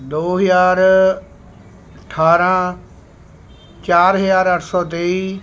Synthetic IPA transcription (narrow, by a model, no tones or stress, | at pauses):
d̪oːɦəjaːɾ | əʈʰaːɾãː | t͡ʃaːɾɦəzaːɾəʈʰsɔːt̪eːiː